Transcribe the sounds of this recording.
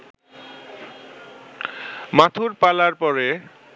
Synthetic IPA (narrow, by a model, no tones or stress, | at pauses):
mat̪ʰuɾpalaɾpɔɾe